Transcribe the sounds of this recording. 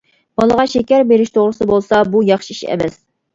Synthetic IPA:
b̥ɑlˠəʁɑʃekʲæɾbeɾɪʃt̪ʰoʁɾɨsɨbolˠsɑbujɑχʃiiʃɛ̰mɛs

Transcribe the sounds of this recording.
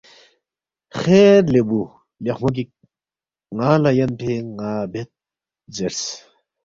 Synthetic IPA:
xeːɾlebu | ljɐkmɐk̬i | ŋaːlɐjɐnʈʰeŋaːbet̪̚ | zeɾs

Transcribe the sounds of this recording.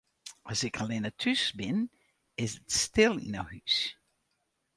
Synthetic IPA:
ʔɔsɪkʰalɪnətʰysbɪn | ɪsətstɪlˠḭna̰whys

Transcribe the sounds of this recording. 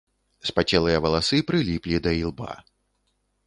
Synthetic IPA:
spat͡sʲɛlˠɨjɐvɐlˠasɨpɾɨlʲiplʲid̪ɐilˠba̰

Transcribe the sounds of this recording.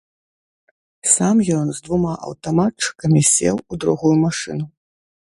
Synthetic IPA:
samjɔnzd̪vumaʔɐ̰wt̪amatt͡ʂɨ̥kɐmʲisʲɛ̰wud̪ɾuɣujumaʂɨ̰nu

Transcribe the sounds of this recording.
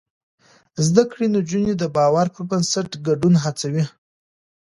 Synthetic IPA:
zd̪akɽenod͡ʒuned̪əbɑwaɾpəɾbənsaʈɡaɖunɦat͡sawi

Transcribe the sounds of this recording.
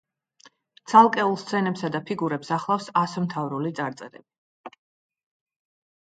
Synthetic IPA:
t̪sʰalˠkʼɛulˠst̪sʰɛnɛpsad̪apʰiɡuɾɛpsaχlˠafsasɔmt̪ʰavɾulit̪sʼaɾt̪sʼɛ̰ɾɛ̰bi

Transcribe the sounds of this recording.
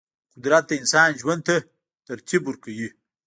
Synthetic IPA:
qʊd̪ɾat̪̚d̪ɐinsɑːnʒwand̪̚t̪a | t̪aɾt̪ʰibuɾkawi

